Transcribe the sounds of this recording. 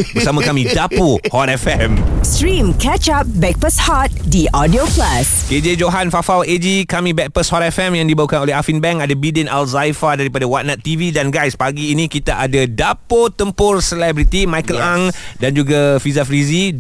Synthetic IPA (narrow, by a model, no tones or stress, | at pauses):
bərsamãkamĩdapohɔt̪ɛfɛmstɾĩmkɛt͡ʃap̚bɛk̚pəshɔt̪̚diʔɔdioplasked͡ʒed͡ʒoɦanfafawed͡ʒikamĩbɛk̚pəshɔt̪ɛfɛmjaŋdibaukanolehafinbɛŋadabidənalzajfadaɾipadawat̪̚nat̪ːividanɡajspaɡiːnĩkit̪aʔadadapot̪əmpʊrsəlɛbɾit̪imãjkəlaŋdand͡ʒuɡafizafɾizi